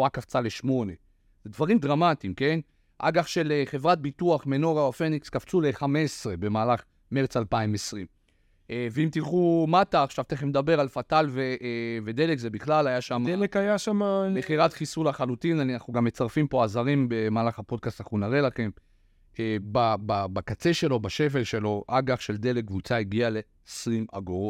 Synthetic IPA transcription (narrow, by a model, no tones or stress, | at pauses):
akaft͡saleʃmo̞ne̞ | zed̪vaʁimd̪ʁamat̪imke̞n | ʔa̰ɡaχʃe̞leχe̞vʁat̪̚bituaχme̞no̞ʁaofenikskaft͡suleχamesʁe̞be̞maːlaχ | me̞ʁt͡salpaimesʁim | veimt̪ilχumataːχʃavt̪eχemed̪abe̞ʁalfatalveve̞d̪e̞lekzebiχlalajaʃamdelekajaʃamaχiʁatχisulhaχalutinannaχuɡamːet͡saʁfimpo̞azaʁimbe̞maːlaχhapo̞d̚kast̪anaχunaʁelaχe̞m | ebababakat͡se̞ʃe̞lo̞baʃe̞ve̞lʃe̞lo̞ʔaɡaχʃe̞ld̪e̞lek̚vut͡saiɡiale̞ːsʁima̰ɡoʁot